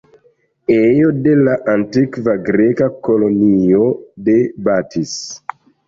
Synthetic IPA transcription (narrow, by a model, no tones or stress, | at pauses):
ejode̞laʔantikvaɡɾekakolo̞niodebatʰis